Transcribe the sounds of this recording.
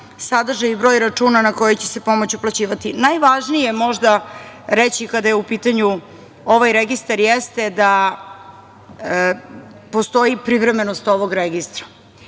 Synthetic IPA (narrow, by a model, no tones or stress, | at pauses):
sad̪r̩ʒajibɾo̞jɾat͡ʂuːnanako̞jet͡ɕese̞po̞mot͡ɕuplat͡ɕiːʋat̪inajʋaʒnije̞mo̞ʒd̪aɾet͡ɕikad̪ajeupiːt̪aɲu | o̞ʋajɾeɡist̪aɾjest̪ed̪a | po̞st̪o̞ipɾiʋɾeme̞nost̪o̞ʋo̞ɡɾeɡist̪ɾḁ